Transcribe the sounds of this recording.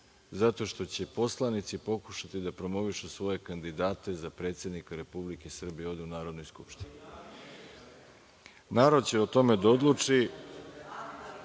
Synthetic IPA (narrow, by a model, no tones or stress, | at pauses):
zat̪o̞ʃt̪o̞t͡ɕe̞po̞slˠanit̪sipo̞ku̥ʃat̪id̪apɾo̞mo̞ʋiʃusʋo̞je̞kand̪id̪aːt̪e̞zapɾe̞ːt̪sjed̪nikaɾe̞publikesr̩bijeo̞ʋd̪eunaːɾo̞d̪no̞jskupʃt̪ini | naːɾo̞d̪̚t͡ɕeot̪o̞me̞d̪ao̞d̪lˠut͡ʂi